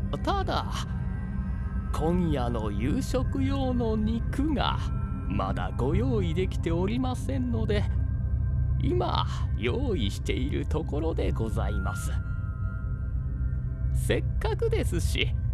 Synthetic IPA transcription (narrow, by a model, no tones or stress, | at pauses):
t̪ad̪a̰ | kʰõ̞ɰ̃jano̞jɯːɕo̞kɯ̟jo̞ːno̞ɲ̟ikɯ̟ŋa̰ | ma̰d̪a̰ɡo̞jo̞ːid̪e̞kʲi̥t̪e̞oɾʲimasẽ̞nːo̞d̪e̞ | ḭma̰jo̞ːiɕi̥t̪e̞iɾɯ̟̰t̪o̞ko̞ɾo̞d̪e̞ɡo̞za̰imasɨ̥ | se̞kːakɯ̟d̪e̞sɨɕḭ